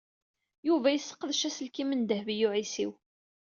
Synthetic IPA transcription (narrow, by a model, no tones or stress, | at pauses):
juvæjəsːə̥qːəðʃæsəlkimənd̪əhvijuʕisḭw